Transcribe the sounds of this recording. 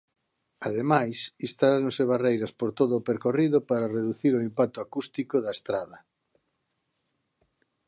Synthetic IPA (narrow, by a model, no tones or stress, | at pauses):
aðemajsist̪alaɾõŋseβarejɾɐspoɾt̪oðoʊːpeɾkoriðopaɾareðuθiɾoimpak̚t̪oakust̪ikoðaest̪ɾaðɐ